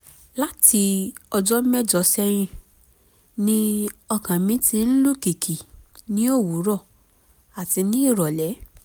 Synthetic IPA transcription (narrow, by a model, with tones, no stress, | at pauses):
la˦ti˧ɔ˧d͡ʒɔ˦mɛ˦˨d͡ʒɔ˨˦sɛ˧j̃ĩ˧ | nĩ˦ɔ˧kã˨mĩ˨˦ti˧n̩˦lu˦˨ki˨kʰi˨nĩ˦o˦˨wu˨˦ɾɔ˦˨ | a˨ti˧nĩ˦i˦˨ɾɔ˨lɛ˨˦